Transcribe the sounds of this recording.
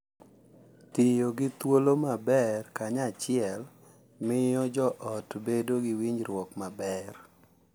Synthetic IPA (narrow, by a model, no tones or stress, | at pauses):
tɪjoɡɪt̪wolomabɛrkaɲat͡ʃɪɛl | mɪjɔd͡ʒɔʔɔtbedoɡɪwiɲɾwɔkmabɛr